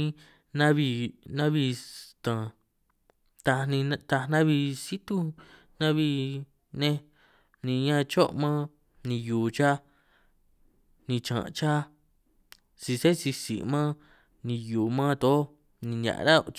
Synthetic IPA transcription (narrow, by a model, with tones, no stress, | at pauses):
nã˦βi˧nã˦βi˧t̪ã˨ | t̪a˧nĩ˧t̪a˧nã˦βi˧si˦t̪u˧ | nã˦βi˧ | nẽ˦˧ | nĩ˧˨˧ɲã˧t͡ʃo˦ʔmã˦ | nĩ˧juː˨t͡ʃa˦ | nĩ˧t͡ʃã̰˨˧t͡ʃa˦ | si˧se˦si˧sḭ˨mã˦ | nĩ˧juː˨mã˦t̪o˨˦ | nĩ˧˨ɲã̰˨ʔɾa˦